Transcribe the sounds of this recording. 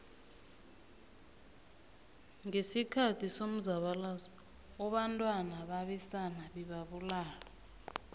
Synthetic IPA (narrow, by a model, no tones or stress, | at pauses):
ŋesikʰatʰisom̩zaɓalazɔ | ɔɓantʼwanaɓaɓɛsanaɓɛɓaɓulaːlɔ